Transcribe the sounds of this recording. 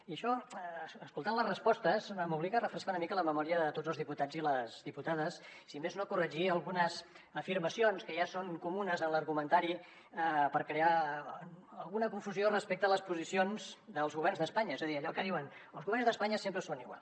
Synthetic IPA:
iəʃɔ | skulˠt̪anləzrəspɔst̪əzəmuβliɣərəfɾəskaunəmikələməmɔɾiəðət̪odzəlˠzðiput̪ad͡ziləzðiput̪aðəsː | imeznokurəʒiəlˠɣunəz | əfiɾməsionskəʒasoŋkumunəzənləɾɣumənt̪aɾi | əpəɾkɾea | əlˠɣunəkuɱfuziorəspek̚t̪ələspuzisionzd̪əlˠzɣuβɛrnzðəspaɲəezəðiəʎɔkəðiwən | əlˠɣuβɛrnzðəspaɲəsempɾəsoniɣwa̰lˠs

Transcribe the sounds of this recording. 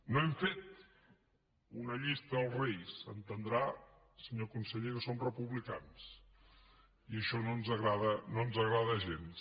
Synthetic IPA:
noɛmfet̪ | unəʎist̪əəlˠrejsənt̪ənd̪ɾa | səɲokunsəʎeɾsomrəpuβlikans | iəʃɔnonzəɣɾaðənonzəɣɾaðəʒens

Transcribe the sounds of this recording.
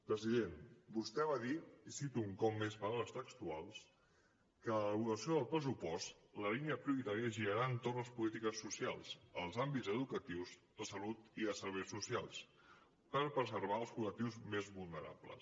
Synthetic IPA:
pɾəziðenbust̪ɛβaðiisit̪uːŋkɔpmːespaɾələst̪əkst̪ualˠs | kəβuɣəsioðəlˠpɾəs̬upɔst̪ləliniəpɾiuɾit̪aɾiəʒiɾəɾaənt̪orləspulit̪ikəsːusialˠsəlˠzambizəðukət̪iwzðəsəlut̪iðəsəɾβɛjsːusialˠs | pəɾpɾəzəɾβ̞aəlˠskulək̚t̪iwzmezβulˠnəɾa̰plə̰s

